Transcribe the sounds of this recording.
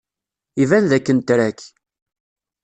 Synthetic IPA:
ivænðækːənt̪ɾækː

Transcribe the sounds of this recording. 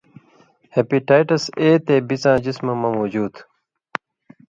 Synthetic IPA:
hepiʈaːjʈɐseːt̪eːbit͡sãːd͡ʑismɐmɐmoːd͡ʑuːd̪

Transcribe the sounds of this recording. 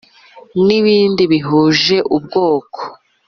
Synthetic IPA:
niβiːndiβiɦuːʒe̞ʔub̚ɡoːko̥

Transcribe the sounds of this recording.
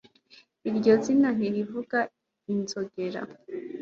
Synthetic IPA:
iɾɟo̞zinan̥iɾivuɡa | inzoɡe̞ɾa̰

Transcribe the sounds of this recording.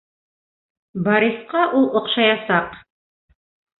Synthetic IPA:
bɑɾisqɑʔulˠŏqʃɑjɑsɑq

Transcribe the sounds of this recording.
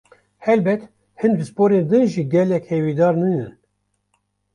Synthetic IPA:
hɛlbɛt̪ | hɨnbɨspoːɾeːnd̪ɨnʒiɡɛlɛkhewiːd̪ɑːɾnɨnɨn

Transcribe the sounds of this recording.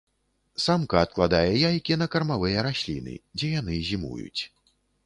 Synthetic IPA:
samkɐːt̪̚klˠad̪ajɛjajkʲinɐkɐrmavɨjɛɾasʲlʲḭnɨ̰d͡zʲɛjan̪ɨzʲimṵjṵt͡sʲ

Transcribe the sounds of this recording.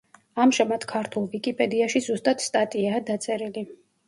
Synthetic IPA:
amʒɛmat̪kʰaɾt̪ʰulˠvikʼipʼɛd̪iaʃizust̪ʼat̪st̪ʼat̪ʼiaːd̪at̪sʼɛɾili

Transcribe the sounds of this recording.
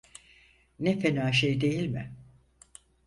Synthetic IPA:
nefe̞naːʃ̬ejd̪e̞jilʲmɪ

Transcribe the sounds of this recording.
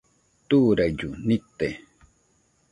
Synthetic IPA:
t̪uːɾajd͡ʒunɪt̪ːe

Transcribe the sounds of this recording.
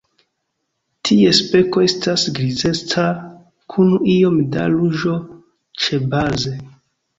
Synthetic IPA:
tʰie̞spe̞ko̞estasɡɾize̞t͡sa | kʰunuio̞mda̰luʒo̞ | t͡ʃe̞baze̞

